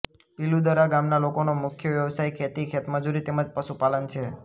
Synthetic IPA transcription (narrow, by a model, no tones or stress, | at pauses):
pilud̪əɾaɡamnalokonomʊkʰjəʋjəʋsajkʰet̪ikʰet̪məd͡ʒuɾit̪eməd͡ʒpəʃupalənt͡ʃʰe